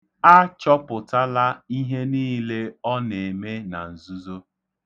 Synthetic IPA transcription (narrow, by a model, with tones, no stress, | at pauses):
a˦t͡ʃɔ˦pʊ˨ta˦la˦i˦ɦe˦niː˦le˦ɔ˦ne˨me˦na˨n̩˨zu˦zo˦